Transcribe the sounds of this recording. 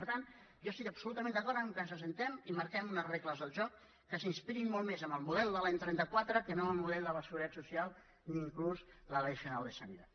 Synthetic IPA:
pəɾt̪an | ʒɔst̪ikəpsulut̪əmẽnd̪əkɔɾt̪əŋkənsəsənt̪ɛmiməɾkɛmunəzrekləzðəlˠʒɔkː | əsinspiɾimɔlˠmezəməlˠmuðɛlˠd̪əlajɲt̪ɾɛnt̪əkwat̪ɾəkənoməlˠmuðɛlˠd̪ələsəɣuɾt̪at̪susijalˠ | niːŋkluzləlɛjfinalˠd̪əsənit̪at̪

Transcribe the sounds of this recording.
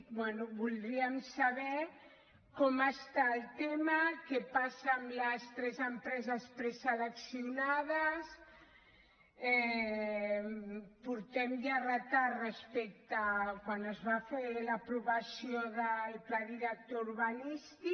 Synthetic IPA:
bwɛnuβuld̪ɾiamsaβɛɾ | komast̪aːlt̪emakepasamlast̪ɾɛzəmpɾɛzaspɾɛsaðaksiunaðas | ɛ | puɾt̪ɛmd̪arat̪arespɛk̚t̪akwanəzβafeɾlapɾuβasjoðəlplaðiɾak̚t̪ouɾβanist̪i

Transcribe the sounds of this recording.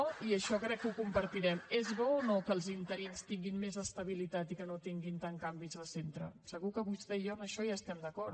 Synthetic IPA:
ɔiəʃɔkɾɛkːukumpəɾt̪iɾɛmezβɔːnokəːlˠzint̪əɾinst̪iŋɡinmezəst̪əβ̞ilit̪at̪ikənot̪iŋɡint̪aŋkambizðəsent̪ɾə̰səɣukəβust̪ɛjoəməʃɔjaəst̪ɛmd̪əkɔɾ

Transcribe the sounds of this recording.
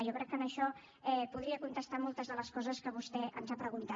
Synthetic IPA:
ʒɔkɾɛkːənəʃɔ | ɛpuðɾiəkunt̪əst̪amɔlˠt̪əzðələskɔzəskəβ̞ust̪ɛʔə̰nzapɾəɣunt̪a

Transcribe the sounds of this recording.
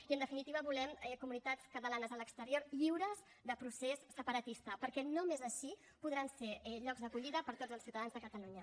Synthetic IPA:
iənd̪əfinit̪iβəβulɛmɛkumunit̪at͡skət̪əlanəzələkst̪əɾioɾʎiwɾəz | ðəpɾusesːəpəɾət̪ist̪əpəɾkɛnomezəʃi | puðɾanseɛʎɔɡzðəkuʎiðəpəɾt̪od͡zəlˠsiwt̪əðanzðəkət̪əluɲə

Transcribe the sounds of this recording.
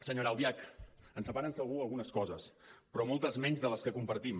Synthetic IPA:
səɲoɾawβjakənsəpaɾənsəlˠɣuəlˠɣunəskɔzəspɾɔmɔlˠt̪əzmɛɲzðələskəkumpəɾt̪im

